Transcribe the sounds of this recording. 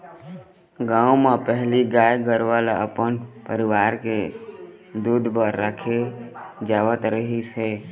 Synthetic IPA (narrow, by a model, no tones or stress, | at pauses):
ɡãːumepəɦliɡaːjɡəɾʋalaəpənpəɾɪʋaːɾke | d̪uːd̪bəɾːaːkʰed͡ʒaːwət̪ɾəɦise